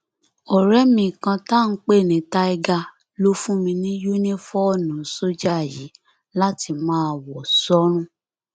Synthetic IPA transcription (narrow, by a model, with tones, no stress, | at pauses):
ɔ˨ɾɛ˦mĩ˧˨kã˧ta˦˨n̩˦k͡pe˦˨nĩ˨˦ta˦i˧ɡa˧ | lo˦fũ˦mĩ˧nĩ˦ju˦nĩ˦fɔ˦˨nũ˨˦so˦d͡ʒa˦a˨jḭ˨˦ | la˦ti˧mãː˦wɔ˨sɔ˦ɾ̃ũ˦